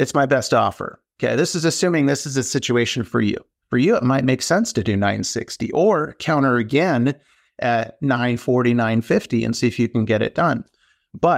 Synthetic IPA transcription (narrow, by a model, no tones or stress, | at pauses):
ɨtsmaɪbɛstɔ̰fə̰˞oʊkʰeɪðɪsɨzɨsʉ̃mɪ̃ŋðɪsɨzɨsɪt͡ʃʉeɪʃɨ̃nfə˞jʉ̰ | fə˞jɨət̚maɪt̚meɪksɛ̃nstɨdɨnãɪ̃nsɪ̰kstḭʔə˞kʰãʊ̃ɾ̃ə˞ɨɡɛ̃n | ʔɨt̚nãɪ̃nfɔɹɾinãɪ̃nfɪftiɨ̰̃nsiɨfjɨkɨ̃n̩ɡɛɾɨ̰t̚d̥ʌ̃n | b̥ʌt̚